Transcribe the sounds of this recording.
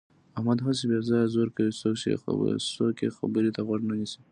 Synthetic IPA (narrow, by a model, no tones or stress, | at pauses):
ahmad̪ɦas̬ebezɑjzoɾkawisoksḛsokḛxa̰bəɾet̪aɣwaɳnanisi̥